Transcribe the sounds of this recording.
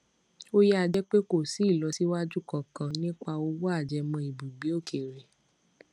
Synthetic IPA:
o˦jɛ˦a˧d͡ʒɛ˦k͡pe˦ko˦˨si˨˦˨lɔ˧˦si˦wa˦d͡ʒu˦˨kɔ˦˨kã˨˧nĩ˦k͡pa˧o˧˦wo˦a˦˨d͡ʒɛ˧mɔ̃˧i˨bũ˨ɡ͡bi˨˦o˦˨kʰe˨ɾe˨

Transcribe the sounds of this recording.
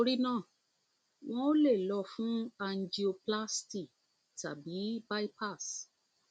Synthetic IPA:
o˧ɾi˦nãː˦˨ | w̃ɔ̃˦o˦le˦˨lɔ˧fũ˦a˧n̩˨d͡ʒi˨˧o˧pla˦sti˦˨ | ta̰˨bi˨˦ba˦i˦pa˦˨s

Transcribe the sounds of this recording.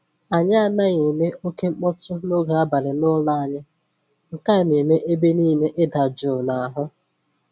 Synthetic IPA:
a˨ɲa˦a˦˨na˦ɣe˨me˦o˦ke˦ŋ͡m̩˦k͡pɔ˦tʊ˦no˦ɡa˨a˦ba˨ɾɪ˨nʊ˦la˦a˨ɲɪ˦ | ŋ̩˨ka˦˨ne˨me˦ʔe˦be˦niː˦ne˦ʔɪ˦da˨d͡ʒʊ˨na˨a˨ɦʊ˦

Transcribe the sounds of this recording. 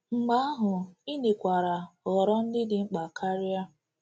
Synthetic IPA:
ŋ͡m̩˨ɡ͡ba˨˦a˦ɦʊ˨i˦ne˨kʷa˨ɾa˨ɔ˨ɾɔ˦n̩˦dɪ˦dɪ˦ŋ͡m̩˦k͡pa˨kʰa˦ɾi˦a˦

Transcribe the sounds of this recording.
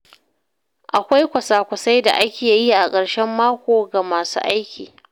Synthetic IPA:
ʔa˨kʷa˦jkʷɐ˨saː˨kʷʊ˨sa˦jda̰˨ʔa˦kʲeː˨ji˦ʔa˨kʼɐ˨ɽʃɛ˦mːaː˦kʷoː˨ɡa˨maː˨sṵː˦ʔa˦jkʲiː˨

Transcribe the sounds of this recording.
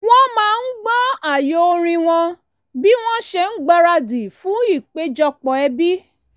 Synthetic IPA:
w̃ɔ̃˦mãː˦n̩˦ɡ͡bɔ̃˦a˦˨jo˨˦o˧ɾ̃ĩ˧w̃ɔ̃˧ | bi˦w̃ɔ̃˦ʃɛ˧n̩˦ɡ͡ba˦ɾa˧di˨fũ˨˦i˦˨k͡pe˨˦d͡ʒɔ˧k͡pɔ˨ɛ˧bi˦

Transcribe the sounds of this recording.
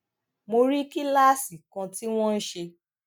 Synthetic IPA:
mo˧ɾi˦ki˦la˦˨si˨kã˧ti˦w̃ɔ̃˦n̩˦ʃe˧

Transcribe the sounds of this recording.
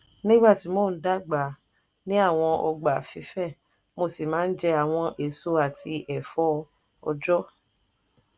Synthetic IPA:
nĩ˦ɡ͡ba˦˨ti˨˦mo˦˨n̩˦da˦ɡ͡ba˨ | nĩ˦a˦˨w̃ɔ̃˧ɔ˧ɡ͡ba˨fi˨˦fɛ˦˨ | mo˧si˨mãː˨˦n̩˦d͡ʒɛ˦a˦˨w̃ɔ̃˧ʔe˨so˧˦a˦˨tʰi˧ʔɛ˨fɔ˦ | ɔ̰˧d͡ʒɔ˦

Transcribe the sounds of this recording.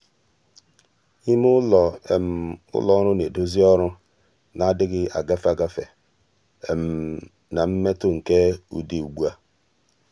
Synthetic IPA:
i˦mʊ˦lɔ˨e˨m̩˨ʊ̰˦lɔ˨˦ɾʊ˦ne˨do˦zi˦ɔ˦ɾʊ˦ | na˨a˦dɪ˦ɣɪ˦a˨ɡa˦fa˨ɡa˦fe˨ | e˨m̩˨ | na˨m̩˦me˦tʊ˦ŋ̩˨ke˦ṵ˨di˨u˨ɡ͡bu˦a˦

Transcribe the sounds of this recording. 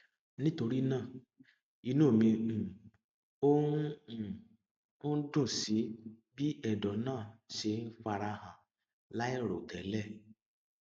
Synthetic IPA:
nĩ˦to˧ɾi˦nãː˦˨ | i˧nũ˦˨mĩ˧˨ | o˦˨ | o˦n̩˦dũ˦˨si˨˦bi˦ɛ˦˨dɔ˨nãː˦˨ʃe˧n̩˦fa˧ɾa˧hã˨ | la˦e˦˨ɾo˨tɛ˨˦lɛ˦˨

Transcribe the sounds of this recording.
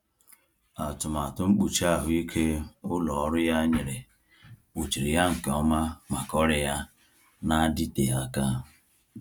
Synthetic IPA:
a˨tʊ˨ma˨tʊ˦ŋ͡m̩˦k͡pu˨t͡ʃa˦˨ɦʊ˦i˦kʰe˦ʊ˦lɔ˨ɔ˦ɾʊ˦ja˦ɲɪ˨ɾe˨ | k͡pu˨t͡ʃi˨ɾi˨ja˦ŋ̩˨ke˨ɔ˦ma˦ma˨kɔ˦ɾɪ˦ja˦ | na˦di˦te˨ja˦ka˦

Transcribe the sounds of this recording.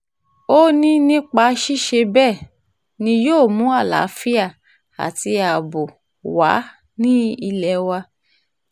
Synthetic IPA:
o˦nĩ˦nĩ˦k͡pa˧ʃi˦ʃe˧bɛː˦˨ | nĩ˧joː˦˨mũ˨˦a˦˨la̰˨˦fi˦a˦˨ | a̰˨ti˧a˨bo˨ | wa̰˨˦ | nĩ˦i˧lɛ˧wa˧

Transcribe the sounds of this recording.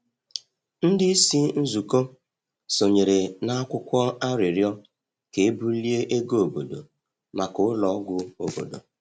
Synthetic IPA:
n̩˦dɪ˦i˦si˦n̩˦zu˨ko˦ | so˨ɲe˨ɾe˨na˦a˦kʷʊ˦kʷɔ˦a˦ɾɪ˨ɾjɔ˦ | ke˨e˦bu˦li˦e˦ʔe˦ɡo˦o˨bo˨do̰˨ | ma˨kʊ˨˦lɔ˨˦ɡʷʊ˦o̰˨bo̰˨do̰˨

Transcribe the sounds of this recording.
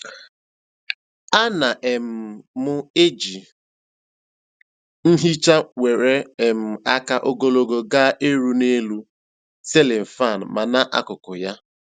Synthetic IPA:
a˦na˨ʔe˨m̩˨mʊ˦e˦d͡ʒi˨ | n̩˦ɦi˦t͡ʃa˦we˨ɾe˦e˨m̩˨a˦ka˦ʔo˦ɡo˦lo˦ɡo˦ɡa˦ʔe˦ɾu˦ne˦lu˦ | se˦lɪ˨m̩˨fa˦˨n̩˨ma˨na˦ʔa̰˦kʊ˨kʊ˨ja˦

